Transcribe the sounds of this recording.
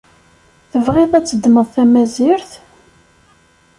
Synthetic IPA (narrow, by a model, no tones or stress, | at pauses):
θəvʁɪðˤæt͡sːəd̪ːməðˤθæmæzɪɾθ